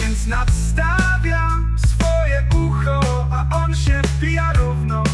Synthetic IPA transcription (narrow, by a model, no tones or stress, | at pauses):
vʲjɛnt̪snat̪st̪a | vʲjam | sfɔjɛʔuxɔ | aʔɔnɕɛvbʲijaɾuvnɔ